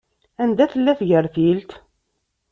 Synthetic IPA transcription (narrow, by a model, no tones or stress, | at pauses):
ænd̪æθəlːæθʝəɾθilt̪